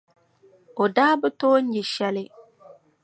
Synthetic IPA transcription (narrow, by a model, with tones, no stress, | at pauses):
o˨daː˦bɨ˦toː˦n̩˦jɪ˨ʃɛ˦lɪ˦